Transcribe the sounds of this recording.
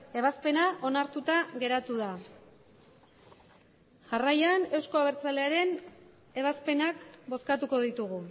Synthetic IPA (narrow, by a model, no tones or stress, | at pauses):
e̞βaspe̞naʔo̞naɾt̪ut̪aɣe̞ɾat̪uða | ʝarajane̞wsko̞aβe̞ɾt͡sale̞aɾe̞n | e̞β̞aspe̞nakbo̞skat̪uko̞ðit̪uɣ̞u